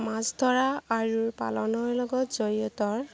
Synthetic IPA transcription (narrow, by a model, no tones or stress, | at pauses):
mãzdʱɔɹaaɹuɹpa̰lɔnɔɹlɔɡɔtz̥ɔɹɔtɔɹ